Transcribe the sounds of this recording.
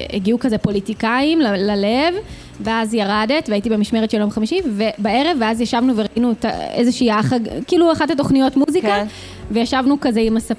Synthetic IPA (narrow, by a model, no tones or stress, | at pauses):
eɡiukazepo̞litikaimlalale̞v | veazjaʁade̞tveait̬ibemiʃmeʁetʃeljomχamiʃivebae̞ʁe̞vːeazjaʃavnuveʁaʔinuta̰ḛzeʃiːaχaɡkiːluaχathat̬o̞χnijo̞tmuzika | vejaʃavnukazeimasa